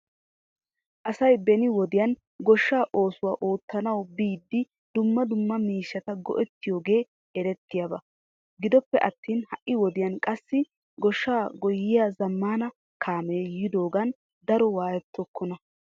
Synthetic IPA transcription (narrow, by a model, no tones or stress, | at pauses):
ʔɐsɐjbɛnɪwɔd̪ɪjɐn | ɡɔʃːaːʔo̞ːsʊwaːʔoːt̪ːɐnɐwbiːd̪ːɪ | d̪ʊmːɐd̪ʊmːɐmiːʃːɐt̪ɐɡɔ̰ʔɛt̪ːɪjoːɡe̞ː | ɛɾɛt̪ːɪjabɐ | ɡɪd̪ɔpːɛʔɐt̪ːiːnhɐʔːɪwɔd̪ɪjɐnkʼɐsːɪ | ɡɔʃːaːɡɔjːɪjaːzɐmːaːnɐ | kʰaːmeːjɪd̪o̞ːɡɐn | d̪ɐɾɔwaːjɛt̪ːɔkːɔnɐ